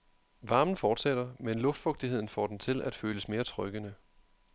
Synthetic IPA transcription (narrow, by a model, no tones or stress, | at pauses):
ʋɑ̈ːmn̩fɒːd̥seɾ̥ɐmenlɔ̽fd̥fɔ̽ɡ̥̚d̥ihe̝ð̰ˠn̩fɒ̰ːd̥ent͡sʰe̝læd̥føːləsme̝ːɐt͡sʰʁœɡ̥ənə